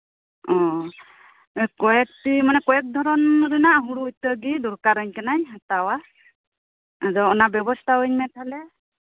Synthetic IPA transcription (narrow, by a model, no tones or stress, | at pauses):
ɔ | kɔjɛk̚timanɛkɔjɛk̚d̪ʱɔɾɔnɾɯnaːɦuɽuujt̪əɡid̪uɾkaɾɯɲkanajɦatawa | azɔɔnabjɔbɔstʰaɯɲmɛtʰalɛ